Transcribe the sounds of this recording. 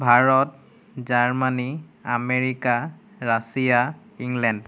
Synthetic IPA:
bʱaɹɔt | zaɹmaniameɹika | ɹasija | iŋlɛnd

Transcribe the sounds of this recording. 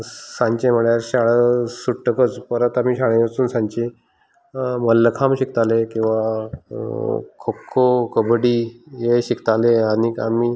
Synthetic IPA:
sãɲt͡ɕẽməɭjaɾɕaɭəsuʈʈːəkət͡spəɾət̪am̤iːɕaɭẽət͡suːnsãɲt͡ɕi | məlːəkʰamɕik̚t̪alekĩw̃ʋa | kʰokʰːokəbɽiːjeɕikt̪aleania̰miː

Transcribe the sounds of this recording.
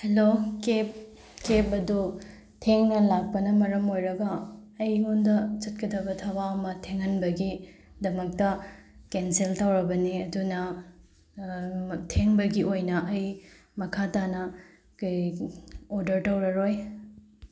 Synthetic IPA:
helokep̚ | kepɐdu | tʰeŋnɐlak̚pɐnɐmɐɾɐmojɾɐɡɐːjŋundɐt͡ʃɐt̚kɐdɐbɐtʰɐbaɐmɐtʰeŋhɐnbɐɡi | dɐmɐk̚tɐ | kenseltawɾɐbɐniɐdunɐ | tʰeŋbɐɡiojnɐʔɐj | mɐkʰatanɐ | k | oɾdɐɾtɐwɾɐɾoj

